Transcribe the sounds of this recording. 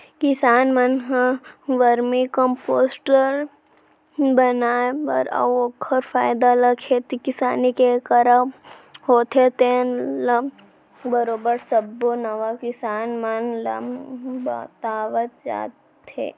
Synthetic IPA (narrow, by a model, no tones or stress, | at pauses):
kɪsaːnmənɦãʋəɾmĩkə̃mpoːsʈəɾ | bənaːepə̰ɾə̰oːkʰəɾfaːjd̪alɐkʰet̪ikɪsaːnikekəɾa | hoːt̪ʰet̪enlə | bəɾoːbəɾsəbːonɐʋakɪsaːnmənlɐ̰mba̰t̪aːʋət̪̚d͡ʒa̰ːt̪ | ḛ